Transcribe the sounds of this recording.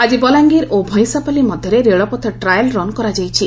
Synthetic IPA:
ad͡ʒibɔlaŋɡiɾobʱɔ̃j̃sapalimɔd̪ʱjɔɾeɾeɭɔpɔt̪ʰɔʈɾajlɾɔnkɔɾad͡ʒajt͡ʃʰi

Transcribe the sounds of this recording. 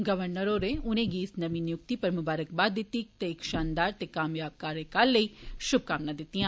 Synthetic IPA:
ɡəʋəɾnəɾoɾeʊnẽːɡiɪsnɐʋĩnɪjʊkt̪ipɐɾmʊbaːɾək̚baːd̪ɪt̪ːit̪eɪkʃaːnd̪aːɾt̪ekaːmjaːb̚kaːɾekaːlːəiːʃʊb̚kaːmnãd̪ɪt̪ːijãː

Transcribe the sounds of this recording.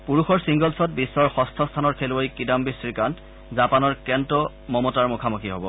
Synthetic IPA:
puɹuxɔɹsiŋɡɔlsɔt̚bisːɔɹxɔstʰɔstʰanɔɹkʰelojkidambisɹikant | zapanɔɹkɛntɔ | mɔmɔtaɹmukʰamukʰiɦobɔ

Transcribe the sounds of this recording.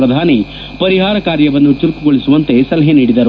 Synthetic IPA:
ɾɐd̪ʱaːni | pɐɾiɦaːɾɐkaːɾjɐʋɐnːut͡ʃiɾkuɡoɭisuʋɐnt̪e̞sɐlɐɦeniːɽid̪ɐɾu

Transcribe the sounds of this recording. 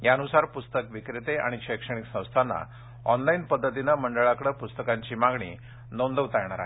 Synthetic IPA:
jaənusaɾpust̪əkʋikɾet̪eʔa̰ɽ̃iɕəjkʂəɽ̃iksə̃w̃st̪ʰanːa̰ | ɔnlainpəd̪ʱːət̪inaməɳɖəɭakɽəpust̪əkaɲt͡ɕiːmaɡɳḭː | nond̪əʋt̪ajɳ̃aɾa̰ɦe

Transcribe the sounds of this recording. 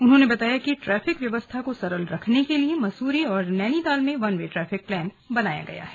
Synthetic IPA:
ʊnɦõnebɐt̪aːjakiʈɾɛːfɪkʋjɐʋəst̪ʰakosɐɾəlɾɐkʰnekeliemɐsuːɾiɔːɾnɛːnid̪aːlmẽʋɐnʋeʈɾɛːfɪk̚plɛːn | bɐnaːja̰ɡɐ̰ja̰ɦɛː

